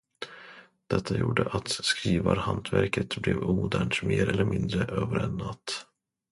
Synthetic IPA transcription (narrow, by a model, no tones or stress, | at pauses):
d̪̥ɛt̪ʰːajuːɖəʔat̪skɾiːvaɾhant̪ʰvæɾkət̪blɛvuːd̪æːɳʈmeːɾʔɛlːəɾmɪnd̪ɾəʔøːvəɾɛnːat̪ː